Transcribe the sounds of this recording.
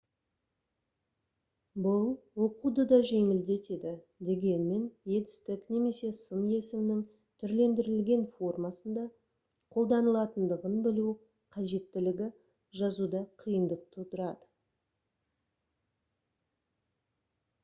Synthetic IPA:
bʊlˠwo̞qud̪əd̪ɑʒe̞ŋɪld̪e̞t̪e̞d̪ɪ | d̪e̞ɡʲe̞nme̞nje̞d̪ɪ̥st̪ɪkne̞me̞se̞sənje̞sɪmnɪŋ | t̪ʰʏɾle̞nd̪ɪɾɪlɡʲe̞nfo̞rmɑsənd̪ɑ | qʰo̞lˠd̪ɑnəlˠɑt̪ənd̪əʁənbɪlu | qʰɑʒe̞t̪ːɪlɪɡʲɪ | ʒɑzud̪ɑqʰijənd̪əq̚t̪ət̪ʊɾɑd̪ə

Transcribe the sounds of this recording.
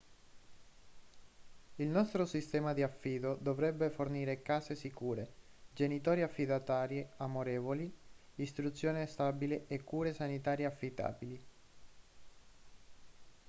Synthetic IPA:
ilnɔst̪ɾosist̪ɛːmad̪iafːiːd̪od̪ovɾɛbːeforniːɾekaːsesikuːɾe | d͡ʒenit̪ɔːɾiafːid̪at̪aːɾjeamoɾeːvoliist̪ɾut̪sːjoːnest̪abileʔekːuːɾesanit̪aːɾjeafːit̪a̰ːbili

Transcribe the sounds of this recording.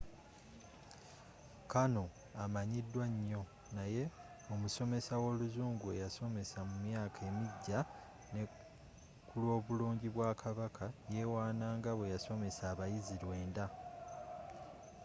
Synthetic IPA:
kano̞ | amaɲidːwaɲːo̞ | naje̞ | omuso̞me̞sawo̞ːluzuːŋɡue̞jaso̞me̞samumjaːkʰe̞ːmiɟːa | ne̞ | kulwo̞ːβuloːɲɟiβwaːkʰaβakʰaje̞ːwaːnaːŋɡaβwe̞jaso̞me̞saːβajiziɾwe̞ːnda

